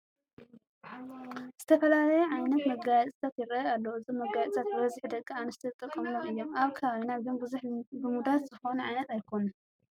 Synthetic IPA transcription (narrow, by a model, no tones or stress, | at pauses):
z̥ɨt̪ʰɐfɐlalɐjɛʕajnɐt̪mɐɡajt͡sʼɨ̥sʰat̪jɪɾɐalːɐwɨzomɐɡajʼsʰat̪̚bɨβɐzɨħd̪ɐkʼːɨanɨst̪ʰit̪ʼɨkʼːɐmloɨjːo̞maβkʰɐβaβinabɨbzuħbɨmud̪at̪zɨxo̞nuʕajnɐt̪ajkʰo̞nu